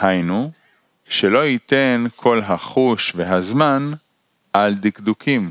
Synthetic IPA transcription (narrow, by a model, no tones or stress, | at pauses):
hajnu | ʃe̞lo̞it̪e̞nkʰo̞lɦaχuʃveɦazman | ʔald̪ikd̪ukʰim